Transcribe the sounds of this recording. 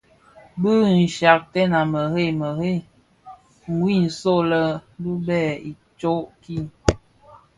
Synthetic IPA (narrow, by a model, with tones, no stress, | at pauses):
bɨ˦n̩˨ʃa˨k̚tɛ˦na˨mə˨ɣe˦˨mə˨he˦˨ | ŋwi˦˨n̩˨so˦˨lə˦bu˦bɛ˦˨i˨ | t͡ʃo˦ʔki˦˨